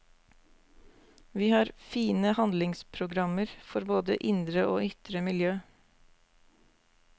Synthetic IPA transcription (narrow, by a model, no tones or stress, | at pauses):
ʋiːhɑːɾfiːnəhɑnd̪lɪŋspʰɾʊɡɾɑməɾfɔɾboːd̪ə̰ʔɪnd̪ɾəʔoːʏt̪ɾəmɪljøː